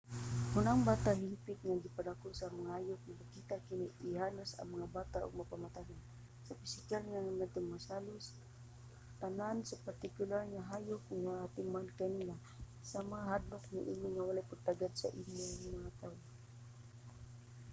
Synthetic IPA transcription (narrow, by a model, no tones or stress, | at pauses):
hʊnaŋbaːt̪aɦɪmpɪt̪̚ŋaɡɪpaɾakʊsamaŋahajʊk̚ŋakakiːt̪akɪniɪɦaːlʊsa̰ŋmaŋabaːt̪aʔʊ̰ɡ̚mapamat̪ajan | sapɪsɪkalŋaŋanad̪̚t̪ʊŋmasaːlʊs | t̪anansapaɾt̪ɪkʊlaɾŋaɦaːjʊkʊŋmaat̪ɪmankaniːla | samaŋaɦad̪nʊk̚naʔiniŋawalajpaɡ̚t̪aɡad̪sa̰ʔɪɲjoŋmaŋat̪aːwo